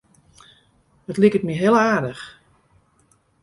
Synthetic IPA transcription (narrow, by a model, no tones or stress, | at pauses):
ətlikətmiɦɪlˠaːdəx